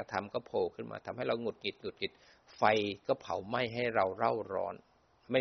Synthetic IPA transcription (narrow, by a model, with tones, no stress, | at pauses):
t̪ʰa˧mkɔː˥˩pʰoː˧˩kʰɯː˥˩nma̰ː˧t̪ʰa˧mɦa˥˩jɾa˧wŋu˨˩t̪̚ŋi˨˩t̪̚ŋu˨˩t̪̚ŋi˨˩t̪̚ | fa˧jkɔː˥˩pʰa˨˩˦wma˥˩jɦa˥˩jɾa˧wɾa˥˩wɾɔ̰ː˧˥n | ma˥˩